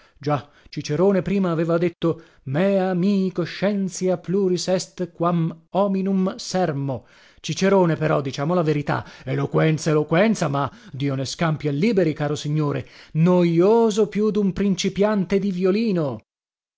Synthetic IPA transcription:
d͡ʒa | t͡ʃit͡ʃeɾoːnepɾiːmaːveːvad̪et̪ːo | mɛamikoʃːɛnt̪sjapluɾisɛst̪kwamɔminumsɛrmo | t͡ʃit͡ʃeɾoːnepeɾɔd̪ːit͡ʃaːmolaveɾit̪a̰elokwɛnt̪saelokwɛnt̪samad̪iːoneskampiɛlːiːbeɾikaːɾosiɲːoːɾenojoːzopjud̪umpɾint͡ʃipjant̪ed̪ivjoliːno

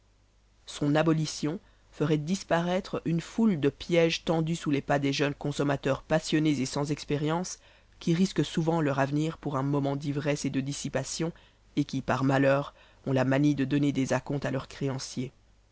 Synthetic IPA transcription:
sɔ̃nabɔlisjɔ̃ | fəʁɛd̪ispaʁɛt̪χynfuld̪əpjɛʒt̪ɑ̃d̪ysulepad̪eʒœnkɔ̃sɔmat̪œʁpasjɔnezesɑ̃zɛkspeʁjɑ̃s | kʲiʁiskəsuvɑ̃lœʁavniːʁpuʁɛ̃mɔmɑ̃d̪ivʁɛsed̪əd̪isipasjɔ̃ | ekʲipaʁmalœːʁ | ɔ̃lamanid̪əd̪ɔned̪ezakɔ̃t̪alœʁkχeɑ̃sje

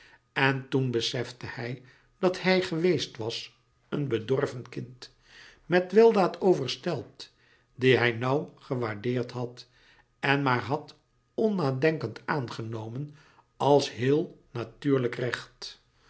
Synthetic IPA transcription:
ɛntunbəsɛfdəhɛj | d̥ɑthɛjχəʋejstʋɑs | ənbədɔɹvənkɪnt | mɛtʋɪlˠdaːtowvəɹstɛlˠt | diɦɛjnʌwχəʋaːɹdɪːɹtɦɑt | ɛnmaːɹɦɑt | ɔnaːdɛŋkəntaːnχənowmən | ɑlˠsɦɪːlˠnatyːɹləkrɛχt

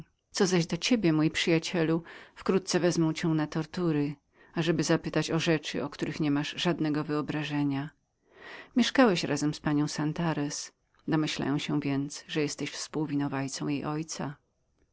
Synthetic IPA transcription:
t̪sɔzaʑd̪ɔt͡ɕebʲjɛmujpʂɘjat͡ɕɛlufkɾut̪̚sɛvɛzmɔw̃t͡ɕɛw̃nat̪ɔɾt̪uɾɘ | aʐɛbɘzapɘt̪at͡ɕɔʐɛt͡ʂɘ̰ʔɔkt̪uɾɘxɲɛmaʐʐad̪nɛɡɔvɘɔbɾaʐɛɲa | mʲjɛʂkawɛɕɾʔazɛmspaɲɔ̃w̃sant̪aɾɛs | d̪ɔmɘɕla̰jɔ̃w̃ɕɛ̃vʲjɛnt̪sʐɛjɛst̪ɛɕfspuwvʲinɔvajt̪sɔ̃w̃jejʔɔjt̪sa̰

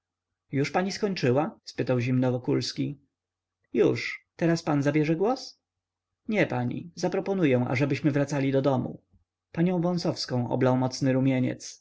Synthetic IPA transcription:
juʂpaɲiskɔɲt͡ʂɘwaspɘt̪awʑimnɔvɔkulskʲi | juʂt̪ɛɾaspanzabʲjɛʐɛɡwɔs | ɲɛpaɲḭzapɾɔpɔnujɛw̃ʔa̰ʐɛbɘɕmɘvɾat̪salʲid̪ɔd̪ɔmṵ | paɲɔ̃w̃vɔ̃ñsɔfskɔ̃w̃ʔɔ̰blawmɔt̪snɘɾumʲjeɲɛ̰t̪s

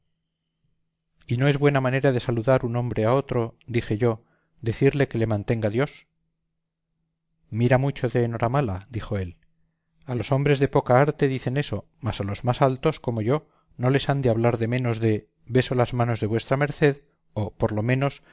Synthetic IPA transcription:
ino̞e̞zβwe̞namãne̞ɾaðe̞saluðaɾunõ̞mbɾeao̞t̪ɾo̞d̪ixe̞ʝo̞ | d̪e̞θiɾle̞ke̞le̞mãnt̪e̞ŋɡaðjo̞s | miɾamut͡ʃo̞ðe̞ːno̞ɾamalad̪ixo̞e̞l | alo̞so̞mbɾe̞zðe̞po̞kaaɾt̪e̞ðiθe̞ne̞so̞ | masalo̞zmasalt̪o̞sko̞mo̞ʝo̞ | no̞le̞sand̪eaβlaɾðe̞mẽ̞no̞zðe̞ | βe̞so̞lazmano̞zðe̞βwe̞st̪ɾame̞ɾθe̞ð | opo̞ɾlo̞mẽ̞no̞s

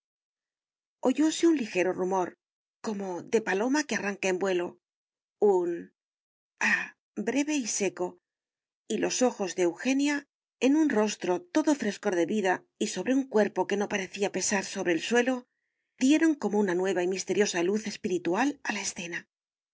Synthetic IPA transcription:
o̞ʝo̞seunlixe̞ɾo̞rumo̞ɾ | ko̞mo̞ðe̞palo̞makearaŋkae̞mbwe̞lo̞ | un | a | bɾe̞βe̞ise̞ko̞ | ilo̞so̞xo̞zðeewxe̞nja | e̞nunro̞st̪ɾo̞t̪o̞ðo̞fɾe̞sko̞ɾðe̞βiða | iso̞βɾe̞uŋkwe̞ɾpo̞ke̞no̞paɾe̞θiape̞saɾso̞βɾe̞ːlswe̞lo̞ | d̪je̞ɾo̞ŋko̞mo̞unanwe̞β̞aimist̪e̞ɾjo̞saluθe̞spiɾit̪ualalae̞sθe̞na

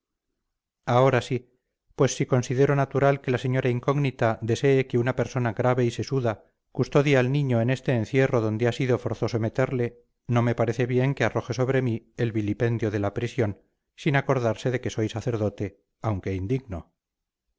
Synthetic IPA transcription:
ao̞ɾasi | pwe̞sːiko̞nsiðe̞ɾo̞nat̪uɾalke̞lase̞ɲo̞ɾaiŋkoɣnit̪ad̪e̞se̞ːkeunape̞ɾso̞naɣɾaβe̞ise̞suða | kust̪o̞ðjaalnĩɲo̞ene̞st̪e̞ːnθje̞ro̞ðo̞nd̪easiðo̞fo̞ɾθo̞some̞t̪eɾle̞ | no̞mepaɾe̞θeβje̞ŋke̞aro̞xe̞so̞βɾe̞mielβilipe̞nd̪jo̞ðe̞lapɾisjo̞n | sinako̞ɾðaɾse̞ðe̞ke̞so̞jsaθe̞ɾðo̞t̪e̞ | awŋke̞ind̪iɣno̞

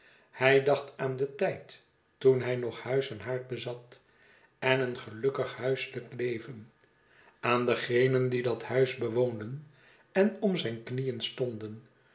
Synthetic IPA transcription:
hɛjdɑχtaːndətɛjt | tunɦɛjnɔχhœɥsɛnɦaːɹt̚bəzɑt | ɛnənχəlɵkəχhœɥsləklejvən | aːndəχejnəndidɑthœɥzbəʋoːndən | ɛnɔmzɛjnknijənstɔndən

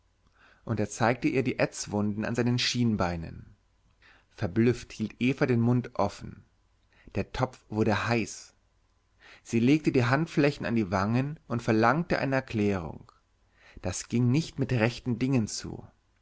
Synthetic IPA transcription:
ʔʊnteːɐt͡saɪk̚təʔiːɐdiːʔɛt͡sv̥ʊndn̩a̰nzaɪnənʃiːnbaɪnə̰n | fɛɐblʏfthiːltʔeːfadeːnmʊntʔɔfn̩ | d̥eːɐtʰɔp͡fv̥ʊɐɾəhaɪs | z̥iːleːk̚tədiːɦantflɛçn̩a̰ndiːvaŋənʔʊntfɛɐlaŋtəʔa̰ɪnəɛɐkʰl̥ɛːʁ̞ʊ̰ŋ | d̥asɡ̥ɪŋnɪçtmɪtʁɛçtn̩dɪŋənt͡sṵː

